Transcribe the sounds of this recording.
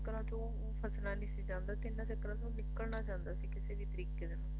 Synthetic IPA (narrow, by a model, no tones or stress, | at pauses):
kəɾãːt̪õː | pʰəsnãːnĩːsid͡ʒãːnd̪aːt̪ɪnːãːt͡ʃəkɾãːt̪õːnɪkːəlnaːt͡ʃãːnd̪aːsiːkɪseːd̪iːt̪əɾiːkeːd̪enãː